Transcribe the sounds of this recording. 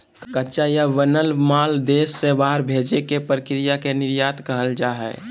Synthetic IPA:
kətːʃajaʋənəlmaːld̪eːsːebaɦɾbʱed͡ʒekepɾəkɾijakenɪɾjaːt̪kəɦəld͡ʒaːɦɛ̰ː

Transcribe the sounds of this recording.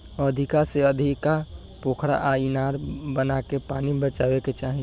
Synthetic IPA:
əd̪ʱikaseəd̪ʱika | poːkʰɾa̰ʔainaɾbənakepaːnibət͡ʃaːweket͡ʃaːɦi

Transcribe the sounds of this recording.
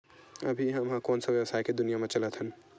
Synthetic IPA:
əbʱiɦəmɦãkonsəbjewəsajked̪unijamẽt͡ʃələt̪ɦən

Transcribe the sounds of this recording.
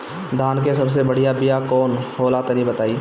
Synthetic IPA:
d̪ʱaːnkesɐbs̬ebɐɽ̤ijabɪjakɔːnhoːlaːt̪nĩbɐt̪aːiː

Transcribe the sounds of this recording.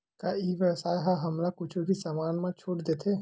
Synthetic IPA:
kaiːʋəsaːɦaɦɐmɾakʊt͡ʃʰbʱisamaːnmãt͡ʃʰoːʈd̪eːt̪ʰe

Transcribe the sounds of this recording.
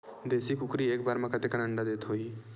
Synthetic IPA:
d̪eːsikʊkɾieːkbaːɾmãkat̪ekɐnəɳɖad̪eːt̪ɦoi

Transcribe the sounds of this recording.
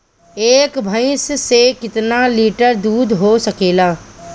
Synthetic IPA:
eːkbʱəɪssekɪt̪naliːʈəɾd̪uːd̪ɦosɐkeːlaː

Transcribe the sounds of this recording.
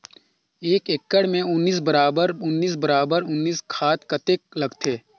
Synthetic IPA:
eːkekːəɽmẽʊnːiːs̬bəɾaːbəɾʊnːiːs̬bɐɾaːbəɾʊnːiːskʰaːt̪kɐt̪elɐɡt̪ʰeː

